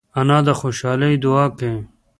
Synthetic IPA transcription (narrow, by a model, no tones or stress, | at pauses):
ɐnaːd̪ɐxoːɕaːlɐid̪uaːkẽ